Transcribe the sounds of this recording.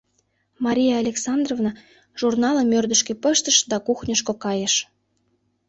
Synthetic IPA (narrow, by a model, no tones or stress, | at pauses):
mɑɾʲijaːlʲeksɑnd̪rovnɑ | ʒ̥urnɑləmørd̪əʃkĕpəʃt̪əʃd̪ɑkuxnʲəʃkokɑjəʃ